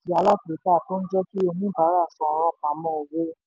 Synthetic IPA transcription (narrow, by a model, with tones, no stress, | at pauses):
ti˨˦a˨˧la˦˨te˨˦ta˦˨to˦n̩˦d͡ʒɛ˦ki˦o˧˨nĩ˦ba˨˦ɾa˦˨sɔ̃˧˨ɾ̃ã˧˨k͡pa˨˦mɔ̃˦o˨we˦